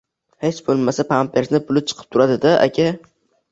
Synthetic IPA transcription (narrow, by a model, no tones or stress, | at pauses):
he̞t͡ʃbolˠmasapʰampʰeɾsnɪpʊlɪp̚t͡ʃʰɨ̥qʰɨ̥p̚t̪ʰʊɾad̪ɪd̪aʔa̰kʲʰa